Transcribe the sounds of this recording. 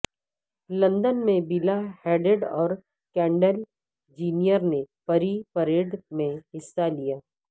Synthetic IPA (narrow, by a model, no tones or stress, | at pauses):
lɐ̃nd̪ənmẽbilahɛːɖeɖɔːɾ | kɛ̃ːɳɖəl | d͡ʒiːnijəɾnepɐɾipɐɾeːɖmẽɦɪsːalijaː